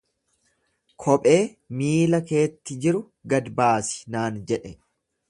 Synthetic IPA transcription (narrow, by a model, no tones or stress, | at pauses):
kʰɔpʼe̞ː | miːlɐke̞ːt̪ːɪd͡ʒɪɾʊ | ɡɐd̪baːsɪ̥naːnd͡ʒɛᶑɛ